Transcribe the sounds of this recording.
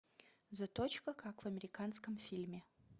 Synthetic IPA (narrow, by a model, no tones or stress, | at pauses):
zɐt̪ot͡ɕkəkakvɐmʲɪɾʲɪkanskəmfʲilʲmʲɪ